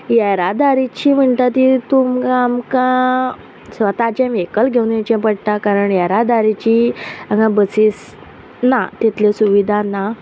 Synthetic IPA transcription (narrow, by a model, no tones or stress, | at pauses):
jɛɾad̪aɾit͡ɕiːm̤əɳʈ̪at̪it̪umɡamkã | sʋət̪at͡ɕɛ̃ʋekəlɡʱewnet͡ɕɛ̃pəɽʈ̪akaɾəɳjaɾad̪aɾit͡ɕiaŋãbəsis | nat̪it̪lesuʋid̪ʱana